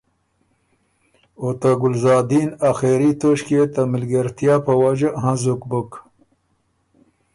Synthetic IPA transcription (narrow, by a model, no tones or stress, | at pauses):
ot̪aɡʊlzɑːd̪inaxeɾit̪oʃket̪amɪlɡaɾt̪jaːpəwad͡ʒaɦãzukbək